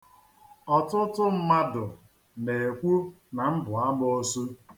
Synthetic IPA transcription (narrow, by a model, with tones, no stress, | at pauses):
ɔ˨tʊ˦tʊ˦m̩˦ma˦dʊ˨ | ne˨e˨kʷu˦ | na˨m̩˦bʊ˨a˦mo˦su˦